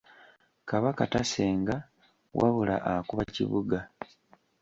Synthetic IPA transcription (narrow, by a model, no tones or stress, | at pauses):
kaβakataseːŋɡa | wʔa̰βula̰ʔakuβacḭβuɡa